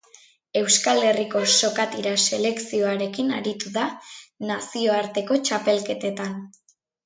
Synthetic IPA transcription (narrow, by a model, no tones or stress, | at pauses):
e̞wskale̞riko̞so̞kat̪iɾase̞le̞ksio̞aɾe̞kinaɾit̪uðanasioaɾt̪e̞ko̞t͡ʃape̞lke̞t̪e̞t̪an